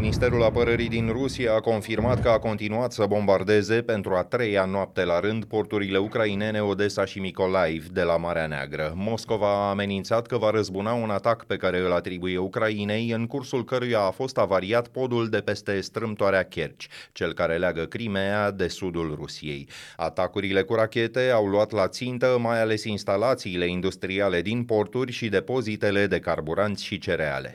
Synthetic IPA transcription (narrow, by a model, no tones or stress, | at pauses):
minist̪e̞ɾulapəɾəɾid̪inrusiaːko̞nfirmat̪kəako̞nt̪inuat̪səbo̞mbard̪e̞ze̞pe̞nt̪ɾuat̪ɾe̞janoap̚t̪e̞laɾɨnd̪po̞rt̪uɾile̞ukɾaine̞ne̞o̞d̪e̞saʃimiko̞lajevd̪e̞lamaɾeanea̰ɡɾəmo̞sko̞vaːme̞nint̪sat̪kəvaɾəzbunaunat̪akpe̞kaɾe̞ɨlat̪ɾibuje̞ukɾaine̞jɨŋkursulkəɾujaːfo̞st̪avaɾiat̪po̞d̪uld̪e̞pe̞st̪e̞st̪ɾɨmt̪oaɾeakʲe̞rt͡ʃʲt͡ʃe̞lkaɾe̞leaɡəkɾimead̪e̞sud̪ulrusije̞̰ja̰t̪akuɾile̞kuɾakʲe̞t̪e̞awluat̪lat̪sint̪əmajale̞sinst̪alat̪siːle̞ind̪ust̪ɾiale̞d̪inpo̞rt̪urʲʃid̪e̞po̞zit̪e̞le̞d̪e̞karbuɾant̪sʲʃit͡ʃe̞ɾea̰le̞̰